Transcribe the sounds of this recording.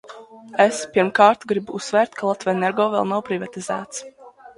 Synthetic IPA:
espiɾmkaːɾt̪ɡɾibuusvɛːɾt̪kʰalˠat̪vɛnɛɾɡɔːvɛ̰lˠnawpɾivat̪izæ̰ːt̪s

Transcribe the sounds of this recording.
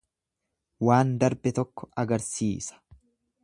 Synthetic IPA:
waːnd̪ɐɾbɛt̪ɔkːɔ̥ʔɐɡɐɾsiːsɐ̥

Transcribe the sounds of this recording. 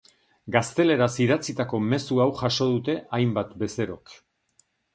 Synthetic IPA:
ɡast̪e̞le̞ɾasiðat͡sit̪ako̞me̞suawʝaʃo̞ð̞ut̪e̞ʔajmbat̪be̞se̞ɾo̞k

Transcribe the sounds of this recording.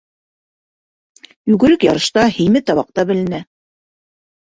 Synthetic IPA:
jʉɡɘ̆ɾɘkjɑɾɤ̆ʃt̪ɑhɘ̆jmɘt̪ɑβɑq̚t̪ɑbɘ̆lɘ̆næ

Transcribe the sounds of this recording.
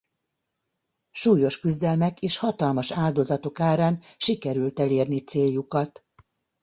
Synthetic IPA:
ʃuːjo̞ʃkyzd̪ɛlmɛkeːʃhɒt̪ɒlmɒʃaːld̪o̞zɒt̪o̞kaːɾaːnʃikɛɾylt̪ɛleːrnit̪seːjːukɒt̪

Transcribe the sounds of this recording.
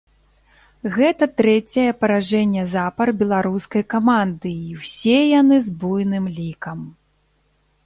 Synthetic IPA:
ɣɛt̪ɐt̪ɾɛt͡sʲɐjɛpɐɾaʐɛnʲːɛzapɐrbʲɛlˠaɾuskɐjkamand̪ɨːwsʲeɛjanɨzbujnɨmlʲikɐm

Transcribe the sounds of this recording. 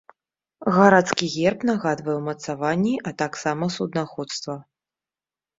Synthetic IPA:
ɣaɾat̪skʲiɣʲɛrpnaɣad̪vɐjɛwmɐt̪savanʲːiʔɐt̪aksamɐsud̪naxɔt̪st̪vɐ

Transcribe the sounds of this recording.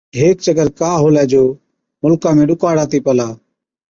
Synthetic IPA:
ɦeːkt͡ʃəɡəɾkaːɦoːlɛːd͡ʒoː | mʊlkãːmẽːɗʊkaːɽaːt̪iːpəlaː

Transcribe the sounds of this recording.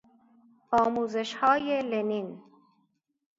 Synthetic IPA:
ɑːmuːzɪʃhɑːjelenin

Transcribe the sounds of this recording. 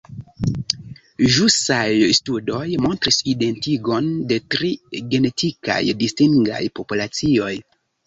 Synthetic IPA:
ʒusajstudo̞jmo̞ntɾiside̞ntiɡo̞nde̞tɾiɡe̞ne̞tʰika̰jdistiŋɡa̰jpo̞pulat͡sio̞j

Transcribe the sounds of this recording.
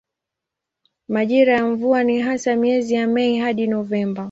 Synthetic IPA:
maʄiɾajamɱvuaniɦasamiɛzijamɛiɦaɗinɔvɛmba

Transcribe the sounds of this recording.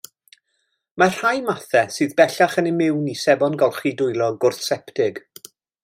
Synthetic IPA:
mar̥hajmaθɛsɨːðbɛɬaχənɪmɪwnisɛbɔnɡɔlˠχidʊjlˠɔɡʊrθsɛptɪɡ

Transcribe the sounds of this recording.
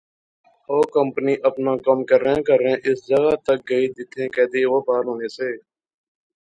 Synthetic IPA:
hoːkəmpniːʔəpnaːkəmkəɾẽːkəɾẽːʔɪsd͡ʒəɡaːt̪ək̚ɡəiːd̪ɪt̪ʰːẽːkɛ̃ːd̪eːʋəbaːɾɦõːneːseː

